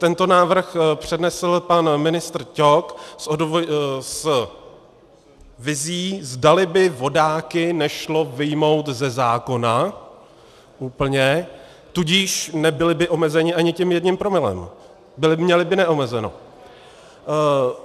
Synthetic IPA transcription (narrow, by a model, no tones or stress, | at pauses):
t̪ɛnt̪o̞naːvr̩xpr̝̥ɛdnɛsl̩panmɪnɪst̪r̩coksʔods | vɪziːzdalɪbɪvo̞daːkɪnɛʃlo̞vɪjmo̞wt̪zɛzaːko̞na | ʔuːpl̩ɲɛ | t̪uɟiːʃnɛbɪlɪbɪʔo̞mɛzɛɲɪʔaɲɪcɪmjɛdɲɪmpɾo̞mɪlɛ̰m | bɪlɪmɲɛlɪbɪnɛʔo̞mɛzɛno̞̰